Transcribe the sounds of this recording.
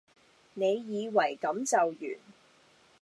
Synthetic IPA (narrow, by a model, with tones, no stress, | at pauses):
ne˨˧jjiː˨˧wɐ˨˩jkɐ˨˥mt͡sɐ˨wjy̰ː˨˩n